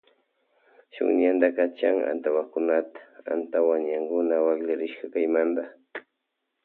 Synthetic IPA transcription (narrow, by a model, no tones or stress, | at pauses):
ʃʊ̰ŋɲand̪akat͡ʃaŋa̰nt̪awakʊnat̪ḁa̰nt̪awaŋɲaŋkʊnawaklaɾɪʃkakajmand̪a